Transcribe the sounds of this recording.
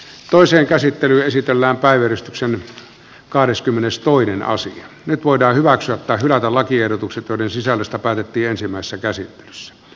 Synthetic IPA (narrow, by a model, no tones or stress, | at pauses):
t̪oˑiseːŋkæsit̪ːelyːesit̪elːæːmpæˑiʋæryst̪yksen | kɑhdeskymːenest̪oˑinenɑ̰sḭɑ | nyt̪ʋoˑidɑːhyʋæksyæt̪ːæːhylæt̪ælɑkiehdot̪ukset̪joˑiɾensisælːøst̪æpæːt̪et̪ːiːensimːˑæˑesesːækæsit̪ːe̥lysːæ̥